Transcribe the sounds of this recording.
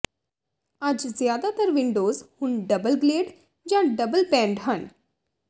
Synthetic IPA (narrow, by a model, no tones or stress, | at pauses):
ad͡ʒzjaːd̪at̪əɾʋɪɳɖoːzhʊnɖɐbəlɡleːɖ | d͡ʒãɖɐbəlpɛ̃ːɳɖɦɐn